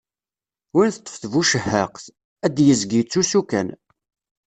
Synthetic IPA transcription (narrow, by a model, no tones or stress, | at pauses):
winθət̪ˤːə̥fθvuʃəhːəqθ | æd̪jəzɡit͡sːusukæ̰n